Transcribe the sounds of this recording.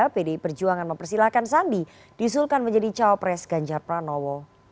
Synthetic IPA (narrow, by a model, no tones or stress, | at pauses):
apedeipərd͡ʒuaŋanməmpərsilahkansambi | d̥isulkanməɲd͡ʒadit͡ʃaɔpɾɛsɡ̥aɲd͡ʒarpɾanɔwɔ